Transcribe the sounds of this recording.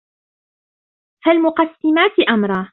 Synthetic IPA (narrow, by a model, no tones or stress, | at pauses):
falmʊqɑsːɪmaːt̪ɪʔamɾˤɑː